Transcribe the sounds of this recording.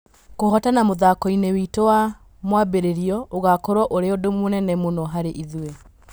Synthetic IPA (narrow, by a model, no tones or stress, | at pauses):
kohɔtanamoðakɔinewitowa | mwabeɾeɾiɔoɣakɔɾwɔʔoɾeodomonɛnɛmonɔɦaɾeʔiðwwe